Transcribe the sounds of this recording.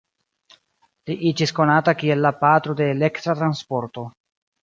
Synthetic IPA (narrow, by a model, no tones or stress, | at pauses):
liʔid͡ʒisko̞natakie̞lːapat̪ɾo̞deːle̞kt̪ɾat̪ɾanspo̞ɾto̞